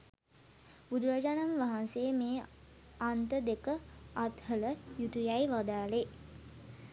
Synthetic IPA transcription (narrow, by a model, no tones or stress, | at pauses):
bud̪uɾad͡ʒanamʋaɦansejəmeː | ant̪əd̪ekəat̪hələjut̪ujajʋad̪aːle